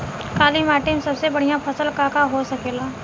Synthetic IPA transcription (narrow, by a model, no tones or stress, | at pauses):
kaːliːmaːʈɪmsɐbsebɐɽ̤ijãpʰɐsəlkaːkaɦosɐkeːlaː